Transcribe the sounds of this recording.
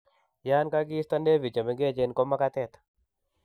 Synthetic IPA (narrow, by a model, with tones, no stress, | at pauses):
ja˦nka˦ɡi˦st̪a˦nde˦vi˨t͡ʃa˨me˦ŋɡe˦t͡ʃe˦nkɔ˦ma˦ka˦t̪ɛ˦˨t̪